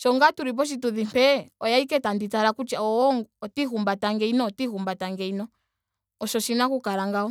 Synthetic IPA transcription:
ʃɔŋɡatuɾip̬ɔʃ̬ituðimpɛɔjaikɛtanditaɾakut͡ʃaɔɔŋɡɔtiɦumbataŋɡɛinɔtihumbataŋɡɛinɔ | ɔʃɔʃinakukaɾaŋɡaɔ

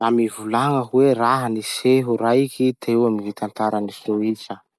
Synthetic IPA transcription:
amivulaŋəkuweraɦəniseɦuɾaikit̪ewamnivit̪ant̪aɾənisioit͡ʃə

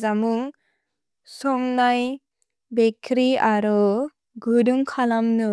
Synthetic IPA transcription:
zamuŋ | sɔŋnaj | bekʰɾiaɾɔ | ɡudɯmkʰalamnɯ

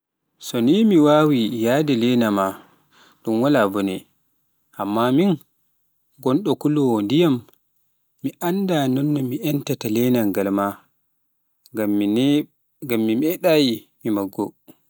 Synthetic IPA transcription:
sɔnimiwawijadɛlɛnama | ɗumwalabɔnɛ | ʔamːamin | ɡɔnɗɔkuluwɔndijamː | iʔandanɔnːɔmiʔɛntatalɛnaŋɡalma | ɡamːimɛɗajimimaɡːɔ

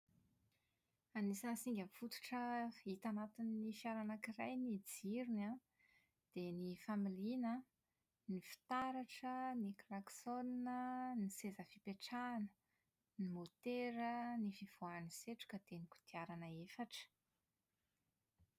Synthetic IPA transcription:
anisansiŋɡʲamfut̪u̥ʈ͡ʂəit̪anat̪inːifiaɾanakirajnid͡ziɾina | d̪̥enifamilinə | nifi̥t̪aɾaʈ͡ʂəniklaksoninənisezəfipeʈ͡ʂanə̥ | nimot̪eɾənifiv̥oaniseʈ͡ʂu̥kəd̪̥enikʲu̥d̪̥iaɾanəefaʈ͡ʂə̥

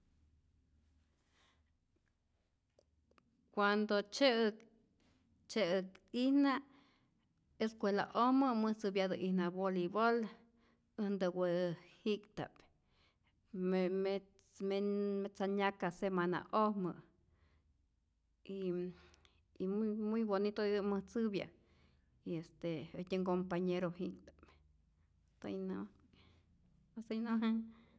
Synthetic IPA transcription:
kʷand̪ot͡ʃek | t͡ʃekihna | eskʷela̰ʔohmɨmɨsɨbjad̪ɨʔihnabolibol | ɨnd̪ɨwɨhikt̪a̰p | met͡smemet͡saɲakasemana̰ʔohmɨʔ | i | immujbonit̪oɨmɨht͡sɨβja̰ | iest̪eət̪ʲeŋkompaɲeɾohikt̪ḁp̚ | t̪o̰jno | esəjnoɦa

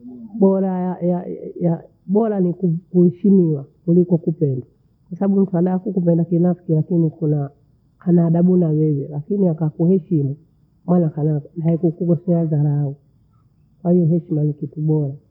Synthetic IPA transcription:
ɓɔɾajajaja | ɓɔɾanikukuhɛʃimiwakulikɔkupɛnda | kwasaɓaɓum̩tuaɗaːkukup̬ɛndakinafkilakinikuna | kʰanaɗaɓunawɛwɛlakiniakakuhɛʃimu | mwanakanaaikukuɡɔsɛazaɾau | kwahijɔɦɛʃimanikituɓɔɾa

